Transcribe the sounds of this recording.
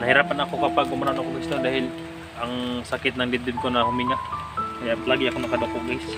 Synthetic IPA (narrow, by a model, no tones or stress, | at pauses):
nɐhɪɾaːpanɐkokɐpaɡ̚ʊmɾanokoŋɪst̪od̪aːhɪl | ʔɐŋsɐkɪt̪nɐŋd̪ɪt̪d̪ɪd̪̚konɐhʊmɪŋaʔkɐjap̪alaːɡɪʔɐkonɐkɐd̪okobajs